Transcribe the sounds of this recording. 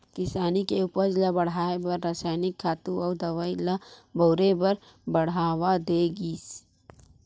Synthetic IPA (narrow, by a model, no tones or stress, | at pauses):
kɪsaːnikeʊpəɾd͡ʒlabəɽ̤aːebəɾːasaːjnɪkʰːaːt̪uɔːd̪əʋailabʱoʊɾebəɾ | bəɽ̤aːwad̪eɡiːs